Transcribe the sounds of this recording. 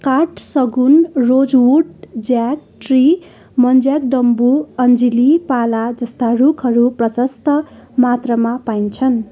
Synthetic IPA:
kaʈsʌɡunrod͡zwuʈd͡zjak̚ʈri | mʌnd͡zjak̚ɖʌmbuʌnd͡zilipalad͡zʌst̪arukʰɦʌɾuprʌsʌst̪ʌmat̪rʌmapajnt͡sʰʌn

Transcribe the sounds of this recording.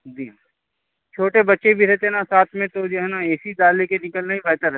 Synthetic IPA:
d͡ʒi | t͡ʃʰoːʈebɐtːʃebʱiɾɛt̪enasaːt̪ʰmẽt̪od͡ʒoɦɛnaeːsid̪aːlekenɪkəlnaɦibɛːt̪aɾ

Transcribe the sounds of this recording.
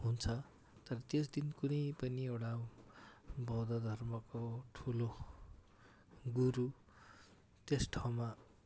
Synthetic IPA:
ɦunt͡sʰʌ | t̪ʌɾʌt̪esd̪inkunʌjpʌniewɽa | bʌd̪ʌd̪ʱʌrmʌkoʈʰulo | ɡuɾu | t̪esʈʰawma

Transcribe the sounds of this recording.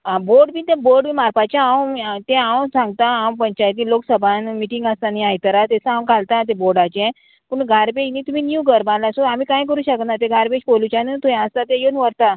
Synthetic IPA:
aboɾɽbiːt̪ẽboɾɖbiːmaɾpat͡ɕaawt̪ẽãwsãŋɡ̚t̪aãw̃pəɲt͡ɕajt̪̬iːloksəbʱanmiʈĩŋɡəst̪aniaɦjt̪əɾat̪esəãw̃kalt̪at̪̬ẽboɾɽat͡ɕɛ̃ | puɳɡʱaɾbed͡ʑniːt̪um̤iːnjuɡəɾbãlasoamiːkãjk̬əɾuːɕəkt̪nat̪ẽɡaɾbed͡ʑbolut͡ɕanət̪uɛ̃əst̪at̪ejonʋəɾt̪a

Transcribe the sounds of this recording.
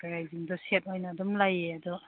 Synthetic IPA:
ɡaɾajziŋdɔset̚ojnadɔmlajeadu

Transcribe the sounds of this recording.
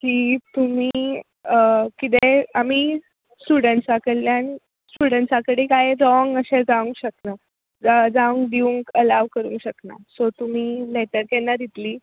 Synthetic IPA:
kiːt̪um̤iː | kit̪̬eam̤iː | sʈuɽəɳʈsakəlljan | sʈuɽəɳʈsakəɽekajɾɔŋɡəɕed͡zaʋũŋkɕəkna | d͡zəd͡zaʋuŋkd̪iʋuŋkəlaʋkəɾṵ̃ːŋkɕəkna̰sɔt̪um̤iːleʈəɾkɛnːad̪it̪liː

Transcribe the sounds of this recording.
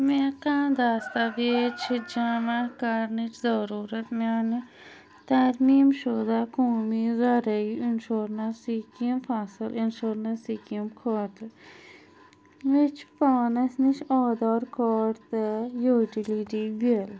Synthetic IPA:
mekãːd̪aːst̪aʋeːt͡ʃʰid͡ʒamakɐɾnit͡ʃʰzɐɾuːɾɐt̪maːn | t̪ɐɾmiːmʃod̪aːkoːmizɐɾɐiinʃoːɾnɐsikːmfaːsɨlinʃoːɾnɐsiːkəmkʰoːt̪ | ʋet͡ʃʰpaːnɐsnit͡ʃʰɔːd̪ɔːɾkʰɔːɾt̪ɨjoːʈiliʈiʋel

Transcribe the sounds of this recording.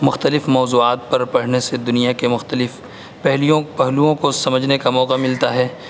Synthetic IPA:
mʊxt̪əlɪfmɔːzuːaːt̪̚pɐɾpɐɽ̤nesed̪ʊnijakemʊxt̪əlɪf | pɛɦlijõpɛɦluõkosɐməd͡ʒʱnekamɔːqamɪlt̪aɦɛː

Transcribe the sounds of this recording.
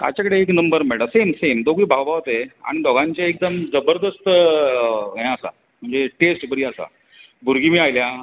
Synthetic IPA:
k̪a̰t͡ɕakəɽeːknəmbəɾmɛɽəsemsemd̪oɡiːbʱaʋbʱaʋt̪ea̰ɽ̃id̪ʱɔɡãɲt͡ɕjaek̚d̪əmd͡zəbəɾd̪əst̪ | ɦẽəsa̰ | m̤əɳd͡zeʈesʈbəɽiːasa̰ | bʱuɾɡimiːajlja

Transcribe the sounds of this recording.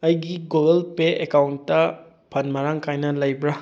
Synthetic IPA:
ɐjɡiɡoɡɐlpeekawntːɐ | pʰɐnmɐɾaŋkʰajnɐlɐjbɾa

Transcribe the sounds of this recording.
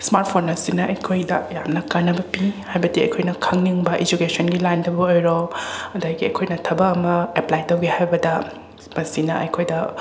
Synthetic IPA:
smaɾt̚pʰonːɐsinɐʔɐjkʰojdɐ̰jamnɐkanːɐbɐpihajbɐdiɐ̰jkʰojnɐkʰɐŋniŋbɐʔid͡ʒukesʰonɡilajndɐbɐojɾoɐdaɡiɐ̰jkʰojnɐtʰɐbɐɐmɐeplajtɐwɡihajbɐdɐ | mɐsinɐ̰ʔɐ̰jkʰojdɐ

